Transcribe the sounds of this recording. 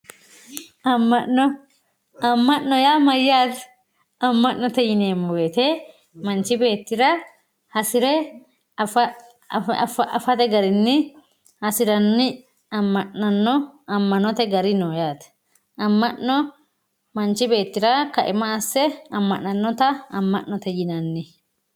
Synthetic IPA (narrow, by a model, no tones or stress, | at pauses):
ɐmːɐnːɔ | ɐmːɐʔːɔjaːmɐjːaːt̪ɛ̥ | ɐmːɐʔːɔt̪ɛjɪneːmːɔweːt̪ɛ | mɐnt͡ʃːɪbe̞ːt̪ːɪɾɐ | hɐsɪɾɛ | fɐ | fɐʔɐfɐt̪ɛɡɐɾɪnːɪ | hɐsɪɾɐnːɪ | ɐmːɐʔːɐnːɔɐmːɐnɔt̪ɛɡɐɾɪnoːjaːt̪ | ɐmːɐʔɔ | mɐnt͡ʃːɪbe̞ːt̪ːɪɾɐkɐʔɪmɐːsːɛɐmːɐʔːɐnːɔt̪ɐɐmːɐ̰ʔːɔt̪ɛjɪnɐnːɪ